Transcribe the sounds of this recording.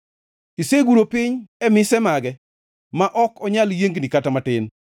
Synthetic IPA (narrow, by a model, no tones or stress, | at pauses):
iseɡuɾopɪɲɛmɪsɛmaɡɛ | maʔɔkɔɲaljeŋɡnikatamatɪn